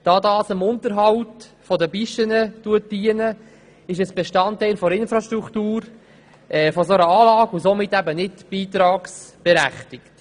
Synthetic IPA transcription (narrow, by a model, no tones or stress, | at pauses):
d̥ɑːdɑːsəmʊntəɾɦɑwtfɔdəbiʃtənətuət̚d̥iənə | ɪʃ̬əsb̥ɛʃtɑntæɪlfɔɾɪnfɾɑʃtɾuktuːɾ | ʔɛːfɔsoɾəɑːlɑːɡusomɪtːæbənɪtb̥iːt̪ɾɑːksb̥ɛɾæ̰χtɪkt